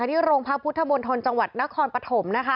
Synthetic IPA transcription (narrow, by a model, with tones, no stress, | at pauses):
a˧˩t̪ʰiː˥˩ɾoː˧ŋpʰa˦˥pʰu˦˥t̪ʰːa˧bo˧nt̪ʰo˧nt͡ɕa˧ŋwa˨˩t̪̚na˦˥kʰɔː˧npa˧t̪ʰo˩˦mna˦˥kʰa˦˥